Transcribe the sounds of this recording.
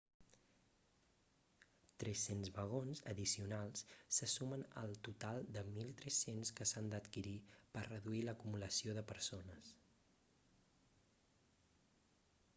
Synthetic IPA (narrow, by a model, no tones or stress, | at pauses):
t̪ɾɛsenzβəɣonzə̰ðisiunalˠssəsumənə̰lˠt̪ut̪alˠd̪əmilˠt̪ɾɛsenskəsand̪ət̪kiɾipərrəðuiləkumuləsioðəpəɾsonəs